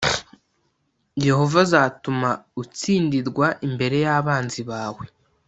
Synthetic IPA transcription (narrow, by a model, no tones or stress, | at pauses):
je̞ho̞vazaːtumaut͡siːndiɾɡwaʔimbe̞ɾe̞jaːβaːnziβaːwe̞